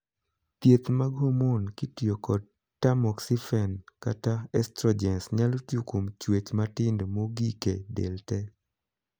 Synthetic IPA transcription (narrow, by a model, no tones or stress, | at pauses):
t̪jet̪maɡomonkitjokɔd̚ | tamɔksifɛnkataɛstɾɔd͡ʒɛnsɲalotjukomt͡ʃwet͡ʃmatɪndmoɡikedɛ̰ltɛ